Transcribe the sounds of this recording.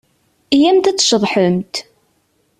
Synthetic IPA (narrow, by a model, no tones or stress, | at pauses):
jæmt̪æt͡sːʃəðˤħəmt̪